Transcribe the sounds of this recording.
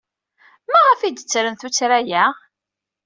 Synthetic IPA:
mæʁəfid̪ət͡sːɾənθut͡sːɾæjæ

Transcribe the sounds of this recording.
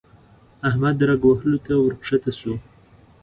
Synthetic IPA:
ahmad̪ɾaɡwaɦəlot̪awəɾkʂat̪asu

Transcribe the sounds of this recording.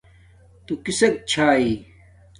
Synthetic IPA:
t̪ukisɐk̚t͡ɕʰaːiː

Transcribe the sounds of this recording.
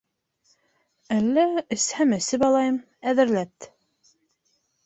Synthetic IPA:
ælːæɘ̆shæmɘ̆sɘpɑlˠɑjɤm | æðɘ̆ɾlæt̪

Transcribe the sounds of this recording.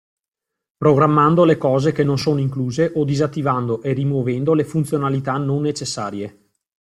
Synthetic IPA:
pɾoɡɾamːand̪olekɔːzekenːonsoːnoiŋkluːzeʔod̪izat̪ːivand̪oʔerimwovɛnd̪olefunt̪sjonalit̪anonːet͡ʃesːaːɾje

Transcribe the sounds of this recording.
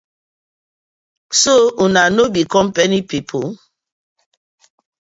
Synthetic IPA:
sounanobikɔmpenipipʰo

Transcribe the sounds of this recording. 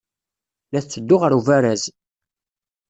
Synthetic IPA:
læθθːəd̪ːʊʁəɾuvæɾæz

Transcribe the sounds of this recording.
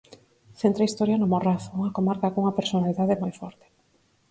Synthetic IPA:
θent̪ɾaist̪ɔɾjanomoraθouŋɐkomaɾkakouŋɐpeɾsonaliðaðemojfɔɾt̪e̥

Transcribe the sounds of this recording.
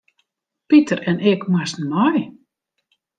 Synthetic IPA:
pitərɛnɛkmasn̩mɔj

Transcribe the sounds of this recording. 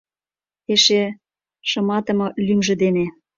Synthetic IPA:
eʃe | ʃɤ̆mɑt̪ɤ̆mɤ̆lymʒə̆d̪ene

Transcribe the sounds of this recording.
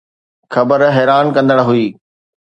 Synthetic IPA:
xɐbəɾɦɛːɾaːnkɐ̃nd̪əɽɦuiː

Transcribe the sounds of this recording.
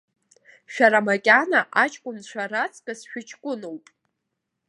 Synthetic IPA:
ʃᶣaɾamakʲʼanaʔat͡ʃʼkʷʼʊnt͡ɕʷʰaɾat͡sʰʼkʼasʃᶣɪt͡ʃʰʼkʷʼʊnowpʼ

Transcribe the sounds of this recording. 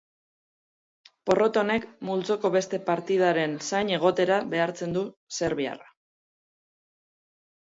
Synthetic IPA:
po̞ro̞t̪o̞ne̞kmult͡so̞ko̞βe̞st̪e̞paɾt̪ið̞aɾe̞nsajɲe̞ɣ̞o̞t̪e̞ɾaβe̞aɾt͡se̞nd̪use̞ɾβia̰ra

